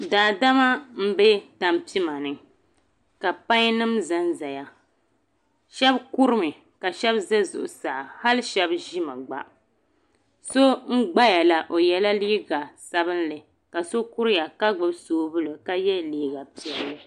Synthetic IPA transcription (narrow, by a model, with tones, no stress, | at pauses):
daː˨da˦ma˦m̩˦be˦ta˨mpi˦ma˨nɨ˨ | ka˨pa˦ɲ˦nɨ˦mza˦nza˨ja˨ | ʃɛ˦bku˦ɾɨ˦mɨ˨ | ka˨ʃɛ˦bzɛ˦zʊ̰˨ʔʊ˨sa˨ʔha˦lʃɛ˦bʒi˦ma˨ɡ͡ba̰˦ | so˦ŋ̩˦ɡ͡ba˦ja˨la˨ʔo˨jɛ˨la˦liː˦ɡa˨sa˦bɨ˦n˦lɨ˨ | ka˨so˦ku˦ɾja˨ka˦ɡ͡bɨ˦bsoː˦bʊ˦lo˨ka˦jɛ˦liː˦ɡa˨pi˨ɛ˦lːɨ˨